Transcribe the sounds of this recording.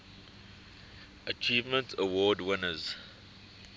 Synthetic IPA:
ʔət͡ʃiːvmə̃ntʰəwɔːdwɪnəz

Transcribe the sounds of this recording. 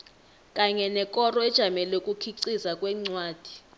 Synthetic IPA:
kʼaɲɛnɛkʼɔrɔɛd̥ʒ̥ʱamɛlɛkʼukʰiǀizakʼwɛːŋ͡ǀwaːd̥ʱi̥

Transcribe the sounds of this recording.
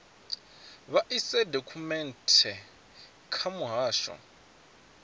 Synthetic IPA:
βaʔisɛdokʰumɛntʰɛ | kʰamʊɦaːʃɔ̰

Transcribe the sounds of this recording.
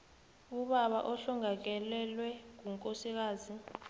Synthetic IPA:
uɓaɓa̰ʔɔɬuŋak̬ɛlɛlwɛŋ̬uŋkʼosik̬aːzi

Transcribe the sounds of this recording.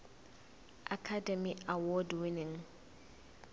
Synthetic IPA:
ʔakʰadɛmiawɔdwinɪŋ

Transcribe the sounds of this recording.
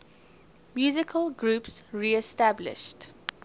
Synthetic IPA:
mjuːzɪkʰəlɡɹuːpsɹiɛstæblɪ̰ʃt

